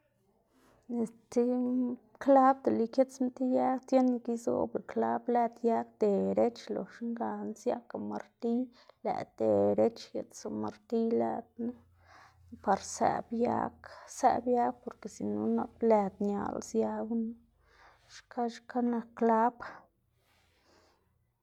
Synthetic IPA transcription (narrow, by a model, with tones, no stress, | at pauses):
e˨st̪i˦ | kla˦b̚d̪e˨li˧kje˦t͡smt̪i˦ja˦kt̪je˦ni˧ki˦zo̰˦be˨kla˦blæ˦˧d̪ja˦kd̪̥e˨ɾe˦t͡ʃlo̰˨ʂŋɡa˨nsja̰˦ka˨ma̰˨ɾt̪i˦læ̰˨d̪̥e˨ɾe˦t͡ʃje˨t̪so˨ma˨ɾt̪i˦la̰˧d̪̚na˦ | pa˨ɾsæ̰˨bja̰˦ksæ̰˧bja˦k̚po˨ɾke˨si˨nu˦na˦plæ˧d̪ɲa̰˨lsja˧˦n˦ | ʃka˦ʃka˦na˧kːla˦b